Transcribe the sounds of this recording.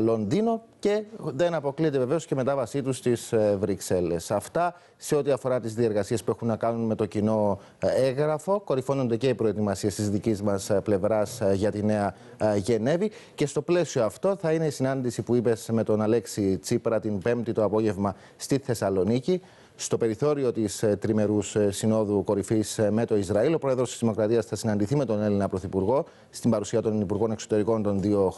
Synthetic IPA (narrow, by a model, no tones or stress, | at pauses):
lo̞ndino̞ce̞ðe̞nɐpo̞kliet̪e̞ve̞ve̞o̞sce̞me̞t̪ɐvɐsit̪ust̪izvɾikse̞le̞sɐft̪ɐ | se̞o̞t̪iɐfo̞ɾɐt̪izðie̞ɾɣɐsiespue̞xunːɐkɐnunme̞t̪o̞cino̞ | eɣɾɐfo̞ko̞ɾifo̞nond̪e̞ce̞ipɾo̞e̞t̪imɐsie̞st̪izðicizmɐsple̞vɾɐsʝɐt̪ine̞ɐ | ʝe̞ne̞vi | ce̞st̪o̞ple̞sioɐft̪o̞θɐine̞isinɐnd̪isipuipe̞zme̞t̪o̞nɐle̞ksit͡sipɾɐt̪imbe̞mt̪it̪o̞ɐpo̞ʝe̞vmɐ | st̪iθe̞sɐlo̞nici | st̪o̞pe̞ɾiθo̞ɾio̞t̪ist̪ɾime̞ɾussino̞ðuko̞ɾifisme̞t̪o̞izɾɐilo̞pɾo̞e̞ðɾost̪izðimo̞kɾɐt̪iɐsθɐsinɐnd̪iθime̞t̪o̞ne̞linɐpɾo̞θipuɾɣo̞ | st̪imbɐɾusiɐt̪o̞nipuɾɣo̞nekso̞t̪e̞ɾiko̞nt̪o̞nðio̞